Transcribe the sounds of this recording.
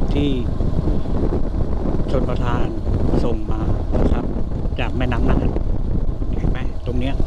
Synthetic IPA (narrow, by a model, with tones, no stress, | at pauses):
t̪ʰiː˥˩ | t͡ɕʰoː˧npɾa˧t̪ʰaː˧nso˨˩ŋmaː˧na˧˥˩kʰa˦˥p̚t͡ɕaː˨˩k̚mɛː˥˩na˦˥mna˥˩a˨˩ | ni˥˩t͡ɕʰa˥˩ma˦˥˩t̪o˧ŋni˦˥ɐ